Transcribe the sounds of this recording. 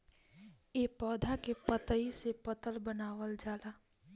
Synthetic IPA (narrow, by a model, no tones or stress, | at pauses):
jeːpɔːd̪ʱakepət̪əisepət̪əlbənaːʋəld͡ʒaːlaː